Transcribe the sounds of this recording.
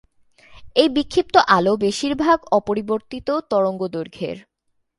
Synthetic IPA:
ejbikʰːip̚t̪oʔalobeʃiɾbʱaɡɔpoɾiboɾt̪it̪ot̪ɔɾoŋɡod̪oɾɡʱḛɾ

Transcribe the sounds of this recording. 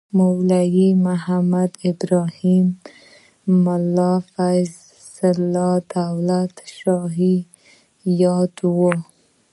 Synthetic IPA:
mʊwlajimʊhamad̪ɪbɾɑhimː | ʊlːɑfajz | sːɪlːɑd̪awlat̪ʃɑɦi | jɑd̪wo

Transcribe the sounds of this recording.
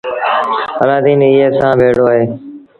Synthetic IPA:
əlaːd̪iːniːɦeːsãːʋʱeːɽoːəːɦeː

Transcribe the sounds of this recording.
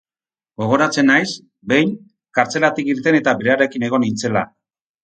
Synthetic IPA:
ɡo̞ɣ̞o̞ɾat͡se̞najs | be̞jŋ | kaɾt͡se̞lat̪ikiɾt̪e̞ne̞t̪abeɾeaɾe̞kine̞ɣ̞o̞nint͡se̞la

